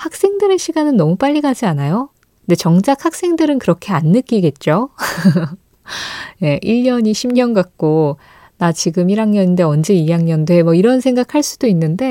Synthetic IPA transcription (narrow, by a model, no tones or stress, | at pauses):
hak̚s͈e̞ŋdɯɾe̞ɕʰiɡanɯnːʌmup͈aʎːiɡad͡ʑianajo | knde̞t͡ɕʌŋd͡ʑak̚hak̚s͈e̞ŋdɯɾɯnkɯɾʌkʰe̞anːɯk͈iɡe̞t̚t͡ɕ͈o | je̞ʔiɭɲʌɲiɕʰimɲʌnɡak̚k͈o | nat͡ɕiɡɯmiɾaŋɲʌninde̞ʌnd͡ʑe̞ijaŋɲʌndoemwʌiɾʌnsʰe̞ŋɡakʰaɭs͈ud̥oinːɯnde̞